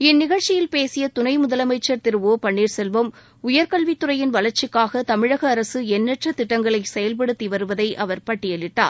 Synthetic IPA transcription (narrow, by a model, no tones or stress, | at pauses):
ɪnːɪɣɐɻt͡ʃɪjɪlpeːsɪjɐt̪ʊnɐɪmʊðɐlɐmɐɪt͡ʃːɐɾt̪ɪɾɯʋoːpɐɳːiːɾsɛlʋɐm | ʊjɐɾkɐɭʋit̪ːʊɾɐjɪnʋɐɭɐɾt͡ʃɪkːaːɣɐt̪ɐmɪɻɐɣɐːɾɐsɯɛnːɛʈrɐt̪ɪʈːɐŋɡɐɭɐɪsɛjɐlp̬ɐɽɯt̪ːiʋɐɾɯʋɐðɐɪʔɐʋɐɾpɐʈːɪjɐɭɪʈːa̰ːɾ